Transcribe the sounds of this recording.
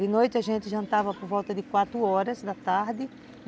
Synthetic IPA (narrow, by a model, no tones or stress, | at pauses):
d̪ɪnojt̪ɪɐʒẽnt̪ɪʒɐ̃nt̪avɐpoɾvɔlt̪ɐd̪ɪkwat̪ɾʊɔɾɐzd̪ɐt̪aɾd̪ɪ